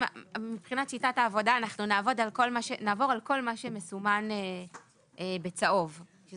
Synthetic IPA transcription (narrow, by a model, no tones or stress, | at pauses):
amipχinatt͡ʃitataːvo̞daːnaχnunaːvo̞dalko̞lmaʃenaːvo̞ʁalko̞lmaʃemesumane | ebet͡saʔo̞v | ʃ